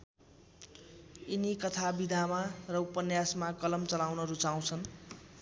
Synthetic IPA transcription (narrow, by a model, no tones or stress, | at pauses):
inikʌt̪ʰabid̪ʱamarʌupʌnjasmakʌlʌmt͡sʌlawnʌɾut͡saw̃t͡sʰʌn